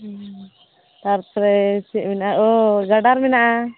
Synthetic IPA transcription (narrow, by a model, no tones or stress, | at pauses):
t̪aɾt̪ɾɛt͡ʃɛʔ̚mɛnaʔaɔɡaɖaɾmɛnaʔa